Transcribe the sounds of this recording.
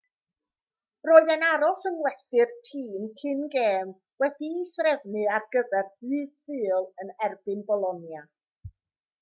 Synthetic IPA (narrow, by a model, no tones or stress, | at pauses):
roːɨðɛnaɾɔsənwɛstɨrtʰiːnkʰɨnɡeːm | wɛdiːθrɛvnɨarɡəvɛrðɨːsɨːlˠənɛrbɨnbɔlˠɔnja